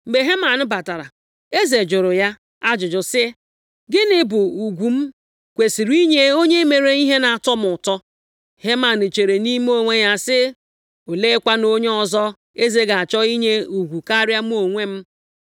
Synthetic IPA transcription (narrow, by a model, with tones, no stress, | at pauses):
m̩˨ɡ͡be˨ɦe˦ma˨n̩˦ba˨ta˨ɾa̰˨ | e˦ze˨d͡ʒʊ˨ɾʊ˨ja˦ | a˦d͡ʒʊ˨d͡ʒʊ˨sɪ˦ | ɡɪ˦nɪ˦bʊ˨u˨ɡʷu˨m̩˦ | kʷe˨si˨ɾi˦ɲe˦o˦ɲe˦me˨ɾe˨i˦ɦe˦na˨a˨tɔ˦m˨ʊ˨tɔ˦ | he˦ma˨n̩˨t͡ʃe˨ɾe˨ni˦m˦o˦ŋʷe˦ja˨sɪ˦ | o˨le˦kʷa˦no˦ɲe˦ɔ˨zɔ˦ | e˦ze˦ɡa˨a˨t͡ʃɔ˦i˦ɲe˦u˨ɡʷu˨ka˦ɾja˦m˦o˨ŋʷe˦m̩˦